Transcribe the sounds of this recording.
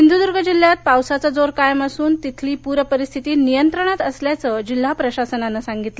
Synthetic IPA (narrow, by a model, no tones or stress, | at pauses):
ɦind̪ud̪uɾɡəd͡ʑil̤ːjat̪̚pawsat͡sad͡zoɾkajəmasuːnt̪it̪ʰliːpuɾəpəɾist̪ʰit̪iːnijənt̪ɾəɳ̃at̪əsljat͡səd͡ʑil̤ːapɾəɕasənanasaŋɡit̪lə